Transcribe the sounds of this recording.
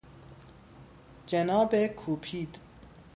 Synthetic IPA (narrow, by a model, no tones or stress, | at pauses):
d͡ʒenɒːbekʰuːpʰiːd̪